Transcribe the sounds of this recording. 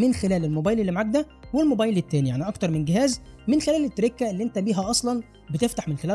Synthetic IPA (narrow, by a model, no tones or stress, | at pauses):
menxelæːlelmobæːjlelːimʕaæɡ̚d̪æwelmobɑjlet̪ːæːnijaʕniʔɑkt̪ɑɾˤmenɡeɦæːzmenxelæːlet̪ːæɾekːæʔelːiʔent̪æbiːɦæʔɑsˤlɑn | bet̪eft̪aħmenxelæː